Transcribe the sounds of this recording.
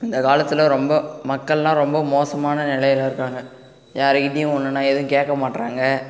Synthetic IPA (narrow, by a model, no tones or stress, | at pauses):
ɪnd̪ɐkaːlɐt̪ːɪlɐɾɔmbɐmɐkːɐɭlãːɾɔmbɐmoːsɐmaːnɐnɪlɐjɪlɐɪɾɯkːaːŋɡɐ | jaːɾɯkɪʈːɪjʊ̃ɔnːɯnːaːɛðʊ̃keːkːɐmaːʈɾaːŋɡɐ